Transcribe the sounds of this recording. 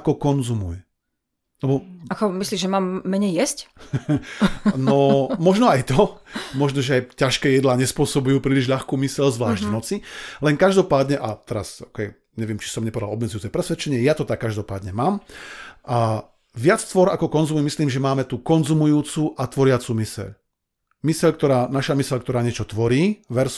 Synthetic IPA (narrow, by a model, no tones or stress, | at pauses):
kɔkɔnzumṵj | lɛbɔakɔmisliːʒʒɛmaːmːɛɲɛjjɛsc | nɔmɔʒnɔajt̪ɔmɔʒnɔʒɛajcaʃkɛːjɛd̪laːɲɛspʊɔsɔbujuːpɾiːliʒʎaxkuːmisɛʎzʋlaːʒɟvnɔt͡silɛŋkaʒd̪ɔpaːd̪ɲɛʔat̪ɛɾa̰sɔkɛj | ɲɛʋɪɛmt͡ʃi̥sɔmɲɛpɔʋɛd̪alɔbmɛd͡zujuːt͡sɛpɾɛsʋɛt͡ʃɛɲɪɛjat̪ɔt̪akːaʒd̪ɔpa̰ːd̪ɲɛmaːmʔa | ʋɪat͡st̪ʋɔɾakɔkɔnzummisliːmʒɛmaːmɛt̪ukɔnzumujuːt͡suʔat̪ʋɔɾɪat͡sumisɛ̰ʎ | misɛʎkt̪ɔɾaːnaʃamisɛʎk̚t̪ɔɾaːɲɪɛt͡ʃɔt̪ʋɔɾiːʋɛɾs